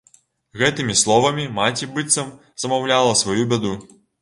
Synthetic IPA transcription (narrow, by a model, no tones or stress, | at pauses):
ɣɛt̪ɨmʲislˠɔvɐmʲimat͡sʲibɨt̪sɐm | z̥ɐmawlʲalˠɐsvɔjubʲad̪u